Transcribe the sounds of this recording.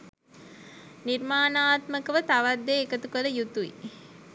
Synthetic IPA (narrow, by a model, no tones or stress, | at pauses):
nirmaːnaːt̪məkəʋət̪aʋad̪ːeːkət̪ukələjut̪uḭ